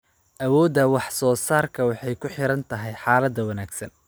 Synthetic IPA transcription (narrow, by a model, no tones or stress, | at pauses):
ʔɐwɔːd̪ɐwɑħsɔːsaːrkʰɐwɑħɑjkʰʊħɪɾɐnt̪ʰɐɦɛjħɑːlɐd̪ːɐwɐnaːɡsɐn